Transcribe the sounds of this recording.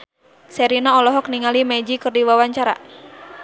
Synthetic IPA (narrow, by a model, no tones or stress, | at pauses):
sɛɾinaɔlɔɦɔk̚niŋalimad͡ʒikɨrdiwawaɲt͡ʃaɾa̰